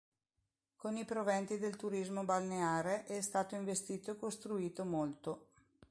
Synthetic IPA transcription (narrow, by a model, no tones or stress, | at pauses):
konipɾovɛnt̪id̪elt̪uɾizmobalneaːɾeʔɛst̪aːt̪oiɱvest̪iːt̪oekost̪ɾuiːt̪omolt̪o